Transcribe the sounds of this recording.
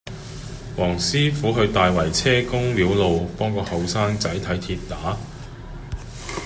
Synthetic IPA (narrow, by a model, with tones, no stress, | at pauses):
wɔː˨˩ŋsiː˥fuː˨˥ɦɵ˧ɥt̪aː˨jwɐ˨˩jt͡sʰɛː˥kʊ˥ŋliː˨˥wlo˨wpɔː˥ŋkɔː˧hɐ˨wsaː˥ŋt͡sɐ˨˥jt̪ʰɐ˨˥jt̪ʰiː˧t̚t̪aː˨˥